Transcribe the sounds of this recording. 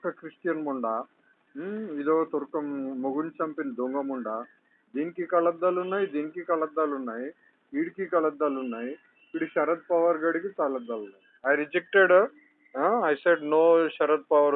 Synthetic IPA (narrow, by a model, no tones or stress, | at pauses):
kɐkɾiʂʈjɐnmuɳɖa | id̪oːt̪uɾkɐmːoɡunt͡ʃɐmpind̪oŋɡɐmuɳɖa | d̪inkikɐlɐd̪ːɐlunːajd̪inkikɐɭɐd̪ːalunːaj | iɽikikɐɭɐd̪ːalunːaj | iɽiʃɐɾɐd̪̚pɐʋɐɾɡɐɽikit͡salɐd̪ːɐlunaj | ajɾid͡ʒek̚ʈeɖ | ɦaajseɖnoːʃɐɾɐd̪̚pɐʋɐɾ